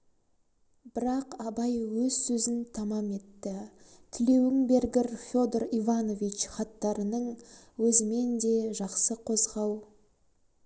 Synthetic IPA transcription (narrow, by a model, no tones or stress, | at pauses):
b̥ɪɾɑqɑbɑjwɵzsɵzɪnt̪ʰɑmɑme̞t̪ːɪ | t̪ʰɪle̞wɪŋbe̞ɾɡʲɪɾfʲjo̞d̪orivano̞vit͡ʃχɑt̪ːɑɾənəɴwɵzɪme̞nd̪e̞ʒɑqsəqʰo̞zʁɑw